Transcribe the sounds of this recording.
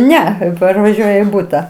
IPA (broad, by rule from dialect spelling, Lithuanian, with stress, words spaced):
ˈnʲɛ pɐrʋɐˈʒʲuɔjɛ iː ˈbʊtɐ